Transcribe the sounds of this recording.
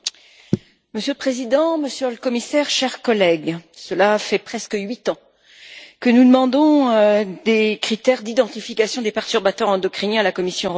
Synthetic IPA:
məsjøləpχezid̪ɑ̃məsjøləkɔmisɛʁʃɛʁkɔlɛɡsəlafɛpχɛskɥit̪ɑ̃ | kənud̪əmɑ̃d̪ɔ̃ød̪ekχit̪ɛʁd̪id̪ɑ̃t̪ifikasjɔ̃d̪epɛʁt̪yʁbat̪œʁɑ̃d̪ɔkχinialakɔmisjɔ̃

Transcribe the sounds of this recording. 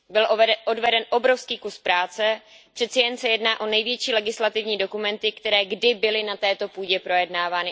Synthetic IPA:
bɪlʔodvɛdɛnʔo̞bɾofskiːkuspɾaːt͡sɛ | pr̥ɛt̪sɛjɛnsɛjɛdnaːʔo̞nɛjvjɛt͡ʃiːlɛɡɪslat̪ɪvɲiːdokumɛnt̪ɪkt̪ɛɾɛːɡdɪbɪlɪnat̪ɛːt̪o̞puːɟɛpɾo̞jɛdnaːvaːnɪ

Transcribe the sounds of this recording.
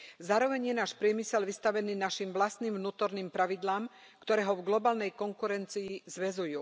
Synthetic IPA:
zaːɾɔʋɛɲjɛnaːʃpɾɪɛmisɛlʋist̪aʋɛniːnaʃimʋlast̪niːmʋnuːt̪ɔɾniːmpɾaʋid̪laːm | kt̪ɔɾɛːɦɔvɡlɔbaːlnɛjkɔŋkuɾɛnt͡siːzʋɛzujuː

